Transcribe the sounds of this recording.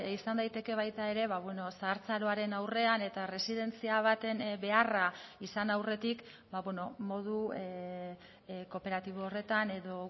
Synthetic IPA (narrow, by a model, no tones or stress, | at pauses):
isand̪ajt̪e̞ke̞β̞ajt̪ae̞ɾe̞βaβweno̞saːɾt͡saɾo̞aɾe̞nawre̞ane̞t̪are̞siðe̞nt͡siaβ̞at̪e̞nbe̞araisanawre̞t̪ik | baβweno̞mo̞ð̞u | ko̞pe̞ɾat̪iβ̞oːre̞t̪ane̞ðo̞